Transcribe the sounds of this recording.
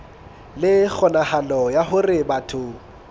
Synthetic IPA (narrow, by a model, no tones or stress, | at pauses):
lɪk͡xʰɔnahalɔjahʊrɪbatʰʊ